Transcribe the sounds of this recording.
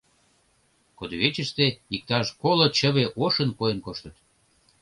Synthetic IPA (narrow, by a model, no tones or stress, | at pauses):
kod̪oβet͡ɕəʃt̪eik̚t̪ɑʃkolot͡ɕəβeʔoʃənkojənkoʃt̪ət̪